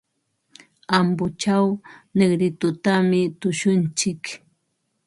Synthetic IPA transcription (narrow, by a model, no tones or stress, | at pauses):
ambʊt͡ʃawneɡɾɪt̪ʊt̪amɪt̪ʊʃʊnt͡ʃɪk